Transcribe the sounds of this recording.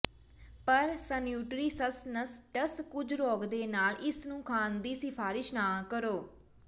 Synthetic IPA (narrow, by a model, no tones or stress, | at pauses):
pəɾsənjuːʈɾiːsəsnəsʈəskʊd͡ʒɾɔːɡd̪eːnaːlʔɪsnũːkʰaːnd̪iːsɪpʰaːɾɪʃnaːkəɾoː